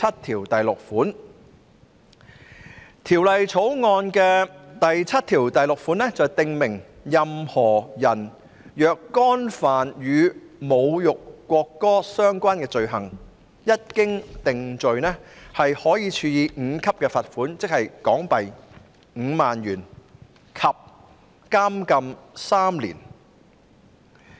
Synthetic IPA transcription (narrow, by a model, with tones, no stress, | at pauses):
t͡sʰɐ˥t̚t̪ʰiː˨˩wt̪ɐ˨jlʊ˨k̚fuː˨˥n | t̪ʰiː˨˩wlɐ˨jt͡sʰo˨˥wŋɔː˧nkɛː˧t̪ɐ˨jt͡sʰɐ˥t̚t̪ʰiː˨˩wt̪ɐ˨jlʊ˨k̚fu˨˥nɛː˥t͡sɐ˨wt̪ɪ˨ŋmɪ˨˩ŋjɐ˨mhɔː˨˩jɐ˨˩n | jœː˨˧kːɔː˥nfaː˨njyː˨˧mo˨˧wjʊ˨kːʷɔː˧kːɔː˥sœː˥ŋkʷaː˥nkɛː˧t͡ʃɵ˨ɥɦɐ˨˩ŋ | jɐ˥t̚kɪ˥ŋt̪ɪ˨ŋt͡ʃɵ˨ɥnɛː˥hɐ˨jhɔː˨˥jiː˨˧t͡ʃʰyː˧jiː˨˧ŋ̩ː˨˧kʰɐ˥p̚kɛː˧fɐ˨t̚fuː˨˥nt͡sɪ˥k̚hɐ˨jkɔː˨˥ŋpɐ˨j | ŋ̩ː˨˧maː˨njyː˨˩n | kʰɐ˨p̚ | kaː˥mkɐ˧msaː˥mlḭː˨˩n